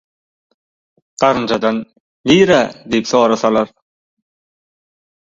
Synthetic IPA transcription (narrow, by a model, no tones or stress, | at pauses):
qɑɾɯnd͡ʒʰɑd̪ɑn | liːɾæd̪ijpsoːɾɑsɑlˠɑɾ